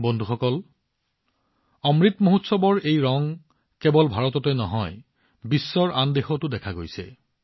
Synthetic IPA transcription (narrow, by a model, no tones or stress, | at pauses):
bɔnd̪ʱuxɔkɔl | ɔmɹit̪moɦutsɔbɔɹejɹɔŋ | kebɔlbʱaɹɔtɔtɛnɔɦɔj | bisːɔɹʔandexɔtʊdɛkʰaɡojsɛ̰